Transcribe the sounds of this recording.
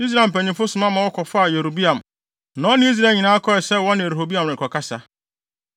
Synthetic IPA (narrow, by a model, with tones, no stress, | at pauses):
i˦s̬ɾa˦˨m̩˨pʰæ˨ɲɪ̃˨fʊ˦sʊ˨mã˦mã˨wɔ˦kʰɔ˨fa˦a˨je˨ɾo˨bi˦ã˨m | nã˨ɔ˦nɪ̃˦i˦s̬ɾa˦˨ɲĩ˨nãː˦kʰɔ˦ɛ˨sɛ˦wɔ̃˦nɪ̃˨e˨ɾɦo˨bi˦ã˨m˨ɾɪ̃˨ŋ˨kʰɔ˨kʰa˦sa˦